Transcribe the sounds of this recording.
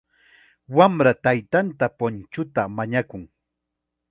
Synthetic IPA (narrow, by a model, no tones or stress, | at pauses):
wamɾat̪ajt̪ant̪apont͡ʃʊt̪amaɲakʊŋ